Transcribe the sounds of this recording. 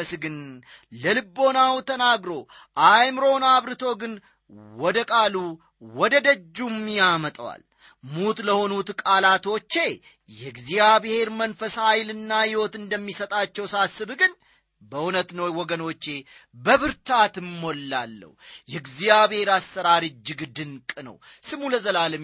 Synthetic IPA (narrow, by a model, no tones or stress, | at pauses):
əsɡɨn | ləlɨbːo̞nawt̪ʰənaɡɾo̞ | ʔajmɾo̞naβɾɨt̪ʰo̞ɡɨn | wɔd̪əkʼalu | wɔd̪əd̪əd͡ʒːumːijamət̪ʼəwa̰l | mut̪ləho̞nut̪kʼalat̪o̞t͡ʃːe̞ | jɛɡzijaβhe̞ɾmənfəshajlɨnːajɪwo̞t̪ɨnd̪əmːisət̪ʼat͡ʃːɛwsasːɨbɡɨn | bəunət̪nəwwɔɡəno̞t͡ʃːe̞bəβɨɾt̪ʰat̪ɨmːolːalːə̰hjɛɡzijaβhe̞ɾasəɾaɾɨd͡ʒːɨɡɨd̪ɨnkʼɨnə̰w | sɨmuləzəlalɨ